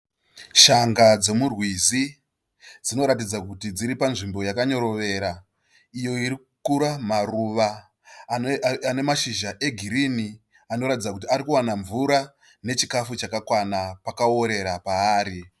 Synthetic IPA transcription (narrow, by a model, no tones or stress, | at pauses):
ʃaŋɡad͡ze̞murwizi | d͡zino̞ɾatid͡zakutid͡ziɾipanʐimbo̞jakaɲo̞ɾo̞ʋe̞ɾa | ijo̞iɾikukuɾamaruʋa | ane̞maʃiʒaʔe̞ɡʱiɾini | ano̞ɾatid͡zakut̬iaɾikuwanaɱvuɾa | ne̞t͡ʃikafut͡ʃakakwanapakaoɾe̞ɾapaːɾi